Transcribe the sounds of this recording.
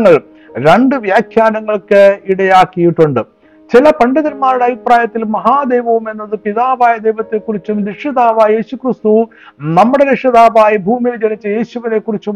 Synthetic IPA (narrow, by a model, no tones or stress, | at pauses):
ŋːɐɭ | ɾeɳɖɨʋjaːkʰjaːnɐŋːɐɭkɨiɽɐjaːkːijiʈːuɳɖɨ | t͡ɕilɐpɐɳɖɐðɐlmaːɾiɽeɐbʱipraːjɐt̪ːilmɐɦaːd̪eːʋɐʋume̞nːɐðɨpiðaːʋaːjɐd̪ejʋɐt̪ːe̞kːurit͡ɕːumɾikʂɐðaːʋaːje̞ːɕukrist̪u | nɐmːuɽe̞ɾikʂɐðaːʋaːjibʱuːmijld͡ʑɐnit͡ɕːɐje̞ːɕuʋine̞kːurit͡ɕːum